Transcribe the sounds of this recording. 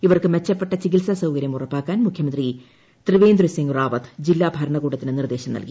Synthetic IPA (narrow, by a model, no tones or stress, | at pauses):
iʋɐrkɨmet͡ɕːɐpːe̞ʈːɐt͡ɕikiʈsɐsɐwkɐɾjɐmurɐpːaːkːaːnmukʰjɐmɐnd̪ri | t̪rɨʋeːnd̪rɨsiŋɡraːʋɐt̪d͡ʑilːaːbʱɐɾɐɳɐɣuːɽɐt̪ːinɨnird̪eːɕɐmnɐ̰lki